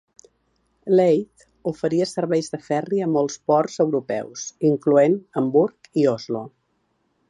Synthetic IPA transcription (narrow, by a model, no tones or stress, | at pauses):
lejt̪ | ufəɾiəsəɾβɛjzðəfɛriəmɔlˠspɔrzəwɾupɛ̰wsiŋkluenəmbuɾkiɔzlo